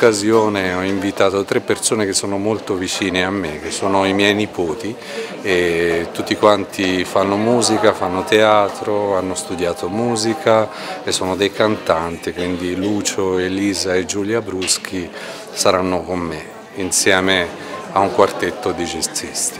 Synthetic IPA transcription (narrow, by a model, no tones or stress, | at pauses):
kːazjoːneɔiɱvit̪aːt̪ot̪ɾepːersoːnek̟esːoːnomolt̪ovit͡ʃiːneamːek̟esːoːnoimjɛjnipoːt̪i | et̪ːut̪ːikwant̪ʰifanːomuːzikafanːot̪eaːt̪ɾoanːost̪ud̪jaːt̪omuːzikʰa | esːoːnod̪ejkant̪ant̪ikwind̪iluːt͡ʃoeliːzaed͡ʒːuljabɾusk̟ʰi | saɾanːokomːe | insjɛːme | auŋkwart̪et̪ːod̪id͡ʒest̪ist̪i̥